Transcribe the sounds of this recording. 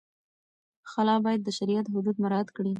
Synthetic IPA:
xalɑbɑjad̪ːəʃaɾijat̪ɦʊd̪ud̪maɾɑat̪kɽi

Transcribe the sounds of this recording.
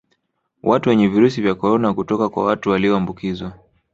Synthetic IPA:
wʔatuwɛɲɛviɾus̬ivjakɔɾɔnakutɔkakwa̰watuwaliɔambukizwa

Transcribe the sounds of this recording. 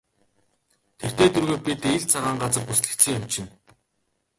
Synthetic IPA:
t̪ʰert̪ʰeːt̪ʰɵrɣoːpʲit̪eɮt͡sʰaʁaːɴɢat͡sə̆rpusɮɘ̆k̪t͡sɘ̆ŋjamt͡ɕɪ̆n

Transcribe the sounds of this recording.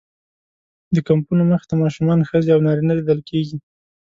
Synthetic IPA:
d̪əkampunoməxɪ̥t̪amɑʃumɑnxəzeawnɑɾinalid̪əlkʰeɡi

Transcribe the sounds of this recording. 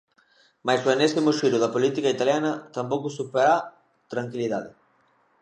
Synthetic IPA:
majsoenesimʊʃiɾʊðɐpolit̪ikɐit̪aljanɐt̪ampowkʊsupeɾa | t̪ɾaŋkiliðaðɪ

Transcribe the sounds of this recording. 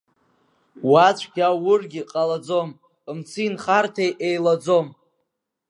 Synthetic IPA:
wat͡ɕʷʰɡʲawʊrɡʲɪqʼalad͡zom | ɨmt͡sʰɨinχartʰejʔejlad͡zo̞m

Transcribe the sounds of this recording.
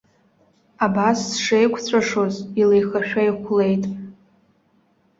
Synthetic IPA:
abassʂejkʷʰt͡sʷʰaʂozilejχaʃᶣajχʷle̞jtʼ

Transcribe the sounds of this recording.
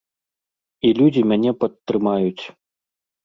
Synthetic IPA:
ilʲud͡zʲimʲanʲɛpɐt̪ːɾɨmajut͡sʲ

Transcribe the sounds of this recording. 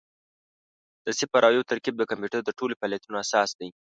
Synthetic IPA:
d̪̥əsɪpaɾʔɑjot̪aɾkib̚d̪əkampeʈəd̪əʈolopaljat̪unoasɑsd̪aj

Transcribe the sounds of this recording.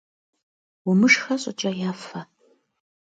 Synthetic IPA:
wʊmɨʂxɐɕʼʊt͡ʃʼɐjaːfɐ

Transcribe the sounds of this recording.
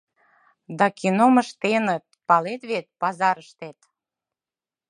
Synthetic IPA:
d̪ɑkinoməʃt̪enət̪̚pɑlet̪βet̪̚pɑzɑɾəʃt̪et̪

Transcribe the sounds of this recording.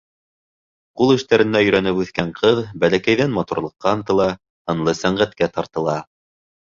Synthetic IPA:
qulˠɘ̆ʃt̪æɾɘ̆nːæjɵ̆ɾænɘpʉθkæɴqʰɤðbælækæjðænmɑt̪uɾlˠɤ̆qːɑɤnt̪ɤ̆lˠɑ | ɤ̆nlˠɤsæɴʁæt̪kæt̪ɑɾt̪ɤ̆lˠɑ

